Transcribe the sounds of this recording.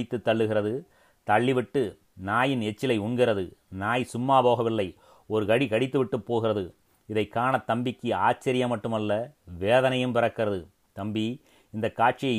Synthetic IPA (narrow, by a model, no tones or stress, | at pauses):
ɪt̪ːɯt̪ːɐɭːɯɣɪrɐðɯ | t̪ɐɭːɪʋɪʈːɯ | naːjɪnɛt͡ʃːɪlɐɪʊɳɡɪɾɐðɯnaːjsʊmːaːboːɣɐʋɪlːɐɪ | ɔɾɯkɐɽikɐɽɪt̪ːɯʋɪʈːɯpːoːɣɪrɐðɯ | ɪðɐɪkːaːɳɐt̪ːɐmbɪkːɯaːt͡ʃːɐɾɪjɐmɐʈːɯmɐlːɐʋeːðɐnɐjɯmpɪɾɐkːɪrɐðɯ | t̪ɐmbi | ɪnd̪ɐkːaːʈ̚t͡ʃɪjɐɪ